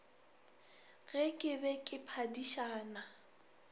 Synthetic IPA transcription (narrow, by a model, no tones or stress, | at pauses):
ɣɛkʼɪbɛkʼɪpʰadiʃaːna